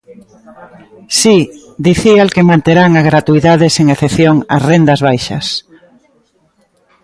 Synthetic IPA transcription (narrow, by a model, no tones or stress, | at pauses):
si | d̪iθialkemãnt̪eɾaŋaɣɾat̪uiðaðeseŋeθeθjoŋɐsrend̪ɐzβajʃɐ̰s